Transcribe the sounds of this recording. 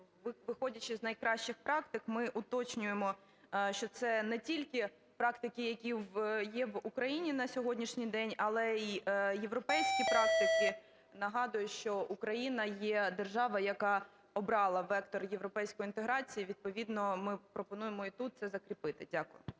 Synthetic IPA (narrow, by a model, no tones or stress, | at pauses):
ʋɪʋɪxɔdʲɐt͡ʃɪznɐjkɾɑʃt͡ʃɪxpɾɑkt̪ɪkmɪʔʊt̪ɔt͡ʃnʲʊjemɔ | ʃt͡ʃɔt̪sɛnɛtʲilʲkʲɪ | pɾɑkt̪ɪkɪjɐkʲiʋjɛʋukɾɐjinʲinɐsʲɔɦɔdʲnʲiʃnʲijd̪ɛnʲɐlˠɛijeʋɾɔpɛjsʲkʲipɾɑk̚t̪ɪkɪ | nɐɦɑd̪ʊjʊʃt͡ʃɔʔukɾɐjinɐjɛd̪erʒɑʋɐjɐkɑ | ɔbɾɑlˠɐʋɛkt̪ɔrjeʋɾɔpɛjsʲkɔjʊint̪eɦɾɑt͡sʲijiʋʲid̪̚pɔʋʲid̪nɔmɪpɾɔpɔnujemɔit̪ut̪̚sɛzɐkɾʲipɪt̪ɪdʲakʊjʊ̰